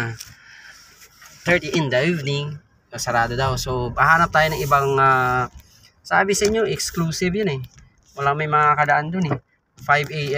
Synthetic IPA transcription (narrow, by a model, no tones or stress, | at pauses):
t̪ɛɹt̪iʔɪnd̪ɐʔivnɪŋ | ɐsɐɾaːd̪od̪awsobɐhaːnɐp̚t̪aːjonɐŋʔɪbaŋaː | sɐa̰ːbɪsɐʔɪɲːoʔɛksklusɪvjanɛ | wɐlaŋmɐjmɐŋakɐd̪ɐʔand̪ʊnɛ | fajvɛ